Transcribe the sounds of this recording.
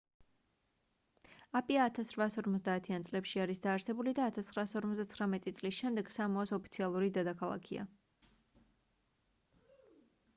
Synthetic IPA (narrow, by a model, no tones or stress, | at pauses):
apʼiaːt̪ʰasɾvaːsɔɾmɔt̪zd̪aːt̪ʰiant̪sʼlɛpʃiaɾisd̪aːɾsɛbulid̪aːt̪ʰast̪χɾaːsɔɾmɔt̪zd̪at̪sχɾamɛt̪ʼit̪sʼlisʃɛmd̪ɛɡ̥samɔɔsɔpʰi̥t̪sʰialˠuɾid̪ɛd̪akʰalˠa̰kʰia̰